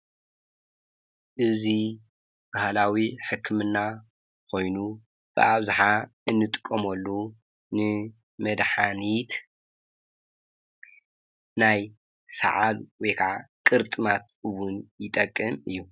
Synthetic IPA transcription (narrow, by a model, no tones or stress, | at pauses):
ʔɨzi | bahlawiħɨkʰːɨmɨnːa | kʰo̞jnu | b̥ɨ̰ʔaβzaħaɨnːɨt̪ʼɨ̥kʼːɐmɐlːu | nɨ | mɐd̪ħanit̪ | naj | sa̰ʕalwɔjkʰa̰ʕkʼɨɾt̪ʼɨmat̪ɨwunjɪt̪ʼɐkʼːɨmɨjːu